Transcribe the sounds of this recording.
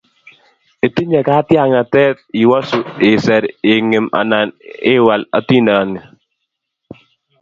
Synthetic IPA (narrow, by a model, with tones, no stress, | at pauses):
e˨ti˦ɲɛ˨kaː˦tja˦˨ŋa˨tɛ˦t̚i˨wa˦su˨ɪ˨sɛ˨ɾɪ˨ŋɪ˨ma̰˨na˨nɪː˦wa˨la̰˨ti˦na˨ŋi˨